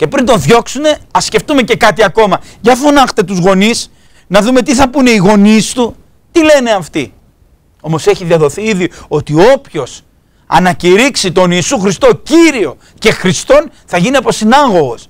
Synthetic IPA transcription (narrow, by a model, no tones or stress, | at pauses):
ce̞pɾint̪o̞nðʝo̞ksune̞ɐsce̞ft̪ume̞ce̞kɐt̪iɐko̞mɐʝɐfonɐxt̪e̞t̪uzɣo̞nis | nɐðume̞t̪iθɐpune̞iɣo̞nist̪u | t̪ile̞ne̞ɐft̪i | omo̞se̞çiðiɐðo̞θiiðio̞t̪io̞pço̞s | ɐ̰nɐciɾiksit̪o̞niːsuxɾist̪o̞ciɾio̞ | ce̞xɾist̪o̞n | θɐʝiniɐpɾo̞sinɐɣo̞ɣos